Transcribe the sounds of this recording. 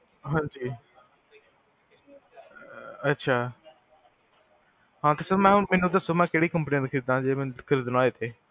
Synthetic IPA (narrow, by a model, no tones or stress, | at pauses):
ɦãːɲd͡ʒiː | ətːʃʰaː | ɦãːt̪esəɾmɛ̃ːɦʊnmeːnũd̪əsomɛ̃ːkeːɽiːkə̃mpnĩãd̪ɪkʰid̪ãːd͡ʒeːmend̪ɪkʰəɾid̪ənaːeːt̪ʰeː